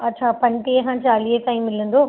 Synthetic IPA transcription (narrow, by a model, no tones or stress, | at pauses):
ɐʈːt͡ɕʰaːpɐɳʈieɦãːt͡ʃaːliet̪aːĩmːɪlund̪oː